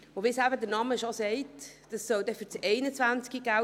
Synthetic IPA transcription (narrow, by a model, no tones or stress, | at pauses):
oʋisæbədəɾnɑməʃɔsɛɪtd̥ɑsːœwdɛfyɾt͡sɛɪnət͡sʋænt͡skiɡ̥æ